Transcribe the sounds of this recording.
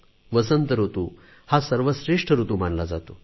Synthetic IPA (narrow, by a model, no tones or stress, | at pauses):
ʋəsənt̪əɾɦot̪u | hasəɾʋəɕɾeʂʈʰəɾut̪umanlad͡zat̪o